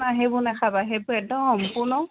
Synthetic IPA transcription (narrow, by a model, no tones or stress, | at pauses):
naɦebʊnɛkʰabaɦebʊɛdɔxɔmpʊɹnɔ